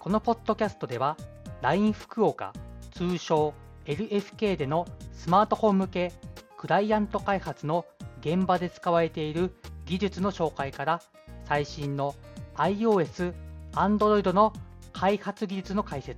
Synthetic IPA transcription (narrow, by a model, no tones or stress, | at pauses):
ko̞no̞po̞t̪ːo̞kʲasɨ̥t̪o̞d̪e̞β̞a | ɾaĩɰ̃ɸɯ̟̥kɯ̟o̞ːka̰t͡sɨːɕo̞ː | e̞ɾɯ̟ʔe̞ɸɯ̟̥ke̞ːd̪e̞no̞sɨmaːt̪o̞hõ̞mːɯ̟ke̞ːkɯ̟ɾaiãnt̪o̞kaihat͡sɨno̞ɡẽ̞mbad̪e̞t͡sɨ̥kaβ̞aɾe̞t̪e̞iɾɯ̟ɡʲiʑɨt͡sɨno̞ɕo̞ːkaikaɾa | saiɕĩnːo̞aio̞ːe̞sɨãnd̪o̞ɾo̞id̪o̞no̞kʰaihat͡sɨɡʲiʑɨt͡sɨno̞kaise̞t͡s